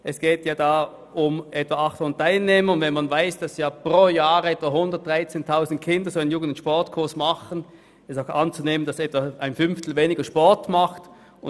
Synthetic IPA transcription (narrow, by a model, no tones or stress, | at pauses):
ʔɛsɡ̥eːtjaːdaː | ʊmʔɛtv̥aʔɑχthʊnətʰaɪlneːməʊndvɛnmanvaɪsd̥ɑsjaːpʁoːjaːʁəɛtv̥aɦhʊndəɐt̚d̥ʁaɪt͡seːntʰaʊzn̩tkʰɪndɐsoaɪnjuːɡəndʊnʃpɔɐtkʰʊɐsmaχən | ɛsaʊxant͡suneːmənd̥asɛtv̥aaɪnfʏnftl̩veːnɪɡɐʃpɔɐtmaχt | ʊ